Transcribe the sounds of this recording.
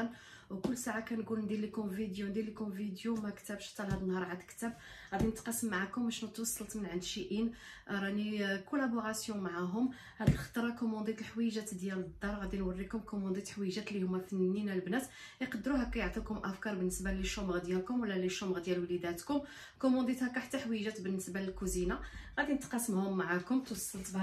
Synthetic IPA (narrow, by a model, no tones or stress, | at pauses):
n | wkʊlːsaʕakænɡulnd̪ilikʊmvid̪jund̪ilːikõmvid̪jumækt̪æbʃt̪ːɑlhæd̪ənːhɑɾˤʕad̪kt̪æb | ɣæd̪inət̪qɑsːəmːaʕakʊmːæʃnət̪wɑsˤːɑlt̪mənʕənd̪ʃiʔin | ɾˤɑnikulæboʁɑsjɔ̃maʕaɦʊm | hæd̪əlxɑ̥t̪ˤɾˤɑkomɑ̃d̪it̪əlħwijʒæt̪d̪jæləd̪ːɑɾˤɣæd̪inwɑrːikʊmkomɑ̃d̪it̪ħwiʒæt̪lːihʊmːæfənnːinælbnæt̪ | jqɑd̪ːɾuɦækæjəʕt̪ˤikʊmʔæfkɑɾˤbənːəsbaləʃːuməɣd̪jælkʊmwəlːæləʃːuməɣd̪jælwlid̪æt̪kʊm | komɑ̃d̪it̪hækæħət̪ːaħwijʒæt̪bənːəsbaləlkuzinaɣæd̪inət̪qɑsəmhʊmːaʕakʊmt̪wɑsˤːɑlt̪b